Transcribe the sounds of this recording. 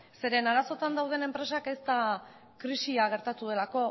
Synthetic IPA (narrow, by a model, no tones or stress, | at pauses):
se̞ɾe̞naɾaso̞t̪and̪awð̞e̞ne̞mpɾe̞sake̞st̪a | kɾisiaɣ̞e̞ɾt̪at̪uð̞e̞lako̞